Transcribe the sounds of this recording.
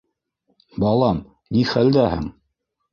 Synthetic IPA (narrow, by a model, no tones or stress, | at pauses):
bɑlˠɑm | niχæld̪æhɘ̰ŋ